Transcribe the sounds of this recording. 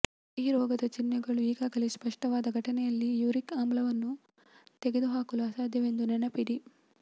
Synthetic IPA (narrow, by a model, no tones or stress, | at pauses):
iːɾɔːɡɐd̪ɐt͡ʃinːjɐɡɐɭuiːɡaːɡɐlespɐʂʈɐʋaːd̪ɐɡʱɐʈɐnɛjɐlːijuːɾikaːmblɐʋɐnːu | t̪eɡed̪uɦaːkulaːsaːd̪ʱjɐʋe̞nd̪unɛnɐpiɾi